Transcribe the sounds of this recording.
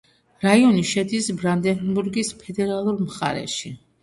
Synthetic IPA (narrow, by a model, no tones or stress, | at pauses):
ɾaiɔniʃɛd̪isbɾand̪ɛnbuɾɡispʰɛd̪ɛɾalˠuɾmχa̰ɾɛ̰ʃi